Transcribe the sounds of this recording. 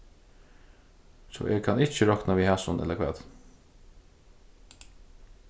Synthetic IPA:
sɔ̰ːʔeːɡ̚kʰɑnɪt͡ʃəɾɔknaʋiːhæsʊnʔɛ̰ləkʰʋɛ̰ːd̪

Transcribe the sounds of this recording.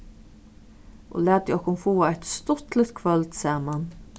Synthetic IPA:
ʔo̰læːt̪jɔhkʊmfoːaɛt̪st̪ɔt̪lət̪kʰvœlt̪sæːman

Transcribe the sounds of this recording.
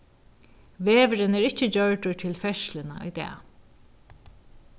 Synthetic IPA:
ʋeːʋɾɪnɛːɹɪt͡ɕːəd͡ʑœɹʈʊɹt̪ʰɪlfɛʃlɪna̰ʔɔ̰jt̪ɛ̰ː

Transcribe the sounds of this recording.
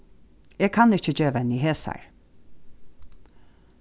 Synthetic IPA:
jeːɡ̚kʰɑnɪçəd͡ʒøːʋɛniheːsæ̰ɹ

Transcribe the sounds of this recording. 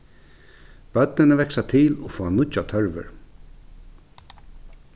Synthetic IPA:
b̥œt̪̚nɪnəvɛksat̪ʰɪlɔfɔːanʊt͡ʃːat̪ʰœɹʋə̰ɹ

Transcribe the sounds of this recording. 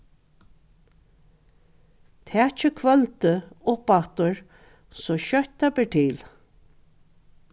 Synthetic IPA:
t̪ʰɛːt͡ʃəkʰvœlt̪əʊpaht̪ʊɹ | sɔʃœht̪apɛːʈʰiːl

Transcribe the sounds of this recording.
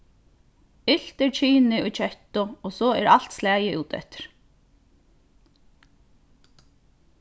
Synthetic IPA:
ɪl̥t̪ɛɾt͡ʃʰiːnɪʊjt͡ʃʰœht̪ʊɔsɔːɛɾalt̪slæːjɪʔṵːt̪ɛ̰ht̪ɪ̥ɹ̥

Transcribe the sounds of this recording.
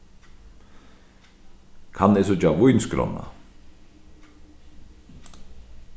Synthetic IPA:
kʰanɛsʊt͡ʃavujnskɾɔ̰nːa̰

